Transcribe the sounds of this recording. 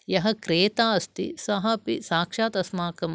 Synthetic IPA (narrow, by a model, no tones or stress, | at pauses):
jɐɦɐkɾeːt̪aːɐst̪ḭsɐɦɐpisaːkʂaːt̪ɐsmaːkɐm